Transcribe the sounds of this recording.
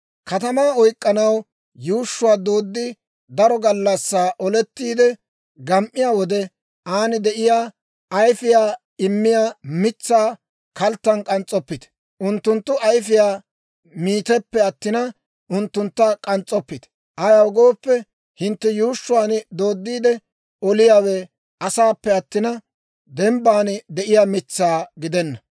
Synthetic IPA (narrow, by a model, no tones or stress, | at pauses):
kɐt̪ɐmaːɔjkʼːɐnɐw | juːʃːʊwaːd̪oːd̪ːɪ | d̪ɐɾɔɡɐlːɐsːaːʔɔlɛt̪ːiːd̪ɛ | ɡɐmʔːɪjaːwɔd̪ɛ | ʔaːnɪd̪ɛʔɪjaː | ɐjfɪjaː | ɪmːɪjaːmɪt͡sːaː | kɐlt̪ːɐnkʼɐnt͡sʼːɔpːɪt̪ | ʔʊnt̪ːʊnt̪ːʊʔɐjfɪjaː | miːt̪ɛpːɛɐt̪ːɪnɐ | ʔʊnt̪ːʊnt̪ːɐkʼɐnt͡sʼɔpːɪt̪ | ʔajɐwɡo̞ːpːɛ | hɪnt̪ːɛjuːʃːʊwaːnd̪o̞ːd̪ːiːd̪ɛ | ɔlɪjaːweː | ʔɐsaːpːɛɐt̪ːɪnɐ | d̪ɛmbaːnd̪ɛʔɪjaːmɪt͡sːaːɡɪd̪ɛnːɐ